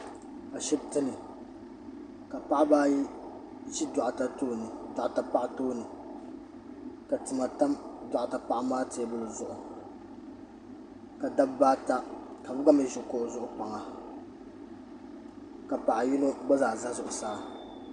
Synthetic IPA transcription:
a˨ʃɛ˦btɨ˦nɨ˨ | ka˨pa˦ʔbaː˦ji˦ | d͡ʒi˦dɔ˨ʔa˨ta˦toː˦nɨ˨da˨ʔa˨ta˦pa˦ʔtoː˦nɨ˨ | ka˨tɨ˨ma˨ta˦mdɔ˨ʔa˨ta˨pa˦ʔa˦maː˦te˦bʊ˦˨lɨ˨zʊ˦ʔʊ˨ | ka˨da˦bbaː˦ta˦ka˨bʊ˦ɡa˦mi˦ʒʊ˨ko˦ʔzʊ˦ʔʊ˦pa˨ŋa˨ | ka˨pa˨ʔa˨ji˦no˦ɡ͡ba˦zaː˨za˦zʊ˨ʔʊ˨saː˦˨

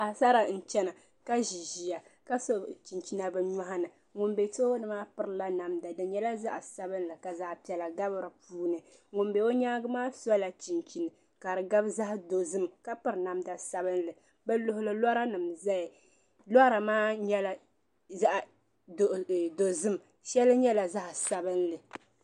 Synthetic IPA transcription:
a˨sa˦ɾa˨n̩˨t͡ʃɛ˦na˨ | ka˦ʒi˨ʒi˨ja˨ka˦sɔ˦t͡ʃi˨nt͡ʃi˦na˨bɨ˦ɲɔ˦ha˦nɨ˨ | ŋʊ˨nbe˨to˦nɨ˨maː˦pɨ˦ɾɨ˨la˦na˨mda˨dɨ˨ɲɛ˦la˦za˦ʔa˨sa˦bɨ˦n˦lɨ˨ka˨za˦ʔpɛ˨la˨ɡa˦bɨ˦ɾɨ˨puː˦nɨ˨ | ŋʊ˨nbe˨o˦ɲaː˦ɡɨ˦maː˦sɔ˦la˨t͡ʃi˨nt͡ʃi˨nɨ˨ | ka˨ɾɨ˨ɡa˦bza˦hdo˨zɨ˦mka˦pɨ˦ɾna˨mda˨sa˦bɨ˦n˦lɨ˨ | bɛ˦lʊ˦hʊ˦lɨ˦lɔ˦ɾa˦nɨ˨mza˦jɪ˨ | lɔ˦ɾa˨maː˦ɲɛ˦la˨ | za˦ʔ | ddo˨zɨ˦m | ʃɛ˦lɨ˦ɲɛ˦la˨za˦ʔsa˨bɨ˦nlɨ˨

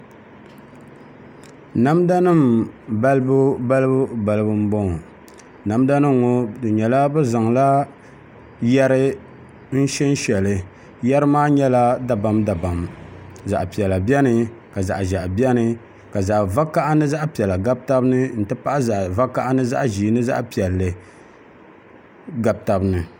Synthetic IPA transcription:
na˦mda˦nɨ˦mba˦lɨ˦bʊ˦ba˦lɨ˦bʊ˦ba˨lɨ˦bɨ˦m̩˦bɔ˦ŋ˨ | na˨mda˦nɨ˦ŋː˨o˦dɨ˨ɲɛ˨la˦bɛ˦za˨ŋla˦ | jɛ˦ɾɨ˦ | n̩˦ʃɛ˦n̩˦ʃɛ˨lɨ˨ | jɛ˦ɾɨ˦maː˦ɲɛ˦la˦da˨ba˨mda˨ba˨mza̰˨ʔpi˨ɛ˨la˨bi˦ɛ˦nɨ˨ka˨za̰˨ʔʒa˨ʔbi˦ɛ˦nɨ˦ | ka˨za˨ʔva˦ka˦ʔa˦nɨ˦za˦ʔpi˨ɛ˨la˨ɡa˦b̚ta˦bnɨ˦n̩˨tɨ˦pa˦ʔa˦za˨ʔva˦ka˦ʔa˦nɨ˦za̰˦ʔʒiː˨˦nɨ˦za̰˦ʔpi˨ɛ˨lːɨ˨ | ɡa˨b̚ta˨bnɨ˨

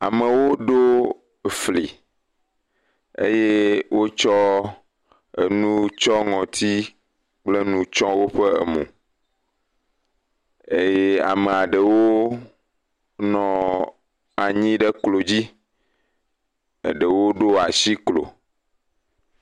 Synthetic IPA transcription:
a̰˨me˨wo˦ɖo˦ | fli˨ | ḛ˦je˦wo˦t͡ʃɔ˦ | ḛ˨nũ˦t͡ʃɔ˦ŋɔ̃˨t̪ʰi˦ | k͡ple˦nũ˦t͡ʃɔ̃˦wo˦ɸe˦ḛ˨mṵ̃˨ | e˦je˦a̰˨me˨a˨ɖe˨wo˦ | nɔ̃˨ | a˨ɲĩ˦ɖe˦klo˨d͡ʑi˦ | ḛ˨ɖe˨wo˦ɖo˦a˨si˦klo̰˨

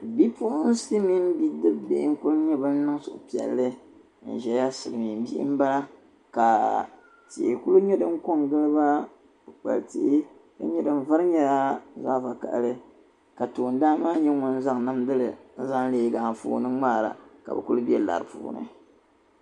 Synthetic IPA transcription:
bi˦pʊ˦ʔʊ˦n̩˦sɨ˦mi˦n˦bi˦dɨ˦bbḛ˨˦ŋ˦ku˦lʊ˦ɲɛ˦bɨ˦n̩˦nɨ˦ŋ˦sʊ˨ʔʊ̰˨pi˨ɛ̰˨lːɨ˦ | n̩̰˨ʒɛ˨˦ja˦sɨ˨lmi˨n˦bi˦ʔm̩˦ba˦la˦ | ka˨ | tḭ˨ʔku˦lu˦ɲɛ˦dɨ˦ŋ˦ko˦ŋɡɨ˦lɨ˦ba˦ | bɨ˨k͡pa̰˨ltḭ˨ʔɪ˦ | ka̰˦ɲɛ˦dɨ˦m˦va˦ɾɨ˦ɲɛ˦la˦za˦˨va˨ka̰˨lɨ˦ | ka˨toː˨n˦daː˦maː˦ɲɛ˦ŋʊ˨n˦za˦ŋ˨na˦mdɨ˦lɨ˨n̩˦za˦ŋleː˦ɡaː˨fṵː˦nɨ˦ŋ͡maː˦˨ɾa̰˨ka̰˨bɛ̰˨ku˦lʊ˦bi˦ɛ˦la̰˨ɾɨ˨pṵː˨˦nɨ̰˦

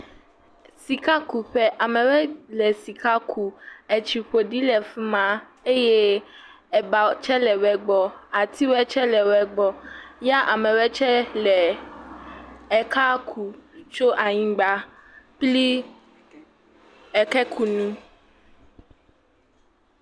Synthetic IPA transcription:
si˨ka˦ku˨ɸɛ˦ʔa˨mɛ̃˨wɛ˦lɛ˨si˨ka˦kʰu˨ɛ˨t͡ʃi˨ɸo˨ɖi˦lɛ˨fi˦mã˦ | e˦je˦ | ɛ˨ba˨t͡ʃɛ˦lɛ˨wɛ˨ɡ͡bɔ˨a˨t̪ʰi˦wɛ˦t͡ʃɛ˦lɛ˨wɛ˨ɡ͡bɔ˨ja˦ʔa˨mɛ̃˨wɛ˦t͡ʃɛ˦lɛ˨ | ɛ˨ka˦kʰu˨t͡ʃo˦ʔa˨ɲĩ˦ɡ͡ba˨pli˦ | ɛ˨kɛ˦kʰu˨nũ˦

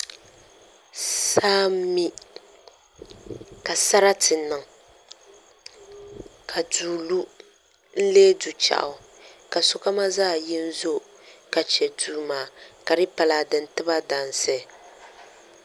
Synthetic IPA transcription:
saː˦m˦mi˦ | ka˨sa˦ɾa˦tɨ˨nɨ˨ŋ | kʰa˨duː˨lu˦ | n̩˦leː˦du˨t͡ʃa̰˨ʔʊ˨ | ka˨sʊ˦ka˦ma˦zaː˦˨ji˦n̩˦zo˦ | ka˨t͡ʃɛ˨duː˨maː˨ka˨ɾɨ˦pa˨la˨dɨ˨n˨tɨ˦ba˦da˨n˨sɛ˦˨

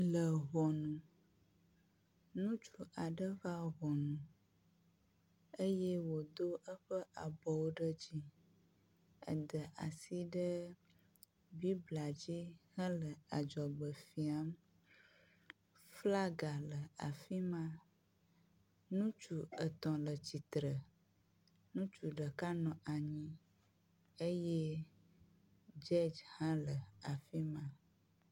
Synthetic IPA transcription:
lə˨ɣɔ˨nũ˨ | nũ˦t͡ʃu˨ʔa˨ɖə˦va˦ɣɔ˨nũ˨ | ə˦jɛ˦wo˨d̪o˦ʔə˦ɸə˦ʔa˨bɔ˨wo˦ɖə˦d͡ʑi˦ | ə̰˨d̪ə˨ʔa˨si˦ɖə˦ | bi˦bla˨d͡ʑi˦hə̃˦lə˨a˨d͡ʒɔ˨ɡ͡bə˨fi˨a˦m | fla˦ɡa˨lə˨a̰˨fi˦mã˦ | nũ˦t͡ʃu˨ə˨t̪ɔ̃˨lə˨t͡ɕi˨t̪ɾə˨ | nũ˦t͡ʃu˨ɖə˨ka˦nɔ̃˨ʔa˨ɲĩ˦ | e˦je˦ | d͡ʒɛ˦d͡ʒhã˦lə˨a˨fi˦mã˦

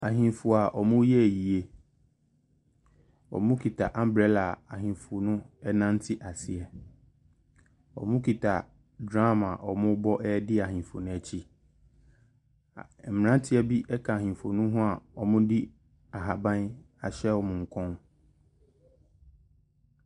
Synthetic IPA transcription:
a˨ɦĩ˨fu˨a˨ʔɔ˨mʊ̃˦jɛ˦˨ji˨e˦ | ɔ̰˨mʊ̃˦kʰi˨tʰa̰˨ʔã˦m˦bɾɛ˦la˨a˨ɦĩ˨fʊ˨nʊ̃˦ɛ˦nã˦n˦tʰɪ˦ʔa˨sɪ˨ɛ˨ | ɔ̰˨mʊ̃˦kʰi˨tʰa˨ | dɾa˦ma˨ʔɔ˨mʊ̃˦bɔ˦ʔɛ˦dɪ˦a˨ɦĩ˨fo˨nʊ̃˦ɛ˨t͡ɕʰi˦˨ | m̩˨m˨ã˦n˦tʰɪ˦ɛ˨bi˦ʔɛ˦kʰa˨a˨ɦĩ˨fo˨nʊ̃˦ɦʊ̃˦a˨ɔ˨mʊ̃˦di˦ | a˨ɦa˨bã˦n | a˨ɕɛ˦ɔ˨mʊ̃˨ŋ̩˨kʰɔ̃˦n

